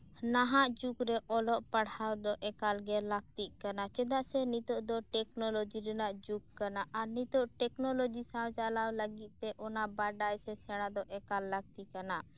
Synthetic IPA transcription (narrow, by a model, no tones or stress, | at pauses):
naɦaʔd͡ʒukɾɛʔɔlɔʔpaɽawd̪ɔʔɛkalɡɛlak̚t̪iʔkanat͡ʃɛd̪aʔsɛnit̪ɔʔd̪ɔʈɛknɔlɔd͡ʒiɾɛnaʔd͡ʒukːanaʔaɾnit̪ɔʔʈɛknɔlɔd͡ʒisawt͡ʃalawləɡit̪̚ˀt̪ɛʔɔnabaɖajsɛsɛɽ̃ad̪ɔʔɛkalːak̚t̪iʔkana